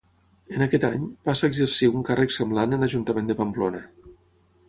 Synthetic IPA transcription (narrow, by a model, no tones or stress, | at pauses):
ənakɛt̪a̰ɲpasaeɡzəɾsiuŋkarʔəksəmblanənaʒunt̪əmend̪əpamplonə